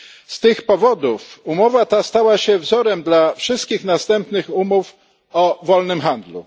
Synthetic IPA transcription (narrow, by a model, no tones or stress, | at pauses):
st̪ɘxpɔvɔd̪ufumɔvat̪ast̪awaɕɛvzɔɾɛmd̪lafʂɘst̪̚kʲixnast̪ɛmpnɘxumuf | ɔvɔlnɘmxand̪lṵ